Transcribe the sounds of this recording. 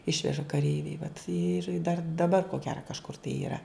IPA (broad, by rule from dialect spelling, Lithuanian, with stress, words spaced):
ˈɪʃʲʋʲɛʒɐ kɐˈrʲɛɪʋʲɛɪ ʋɐt ɪr dɐr dɐˈbɐr koː ˈɡʲæːrɐ kɐʃˈkʊr tɐɪ iːˈrɐ